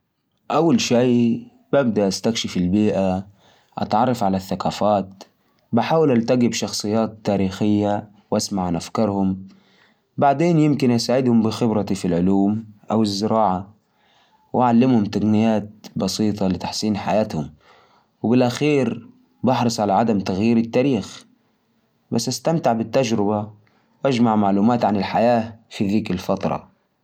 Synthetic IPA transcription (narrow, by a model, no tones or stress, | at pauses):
ʔawːalʃiː | bab̚d̪aʔast̪akʃɪfɪlbiːʔa | ʔɑ̰t̪ʕɑrˤːɑfʕalaθːaqɑːfaːt̪̚ | bɪħaːwɪlʔalt̪aɡɪbʃɑxsˤɨjːaːt̪ːaːɾiːxɪjːa | wʔasmaʕanʔafkɑɾˤhʊm | baʕd̪eːnjɪmkɪnʔɪsaːʕɪd̪hʊmbɪxɪbɾɑt̪ifilʕʊluːmʔawɪzːɪɾɑːʕa | wʔaʕalːɪmhʊmt̪aɡnɪjaːt̪̚bɑsiːt̪ˤɑlɪt̪aħsiːnħajaːt̪hʊm | wbɪlʔaxiːɾ | bɑħɾɨsˤʕalaʕad̪amt̪aɣjiːɾɪt̪ːaːɾiːx | basːʔast̪amt̪ɪʕbɪt̪ːad͡ʒɾɪba | wʔad͡ʒmaʕmaʕluːmaːt̪ʕanɪlħajaːfiðiːkɪlfɑt̪ɾˤɑ̰